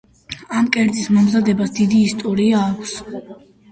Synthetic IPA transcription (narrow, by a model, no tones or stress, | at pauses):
amkʼɛɾd̪zʼismɔmzad̪ɛbasd̪id̪iːst̪ʼɔɾiaːkʷʰs